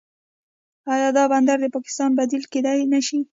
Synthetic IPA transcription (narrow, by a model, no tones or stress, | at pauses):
ɑjɑd̪ɑband̪aɾd̪əpɑkɪ̥st̪ɑnbad̪ilked̪ajnaʃi